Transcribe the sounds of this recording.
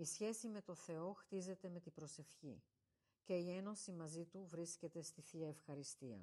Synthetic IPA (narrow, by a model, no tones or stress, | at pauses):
isçe̞sime̞t̪o̞θe̞o̞xt̪ize̞t̪e̞me̞t̪ibɾo̞se̞fçḭ | ce̞ie̞no̞simɐzit̪uvɾisce̞t̪e̞st̪iθiɐefxɐɾist̪iɐ̰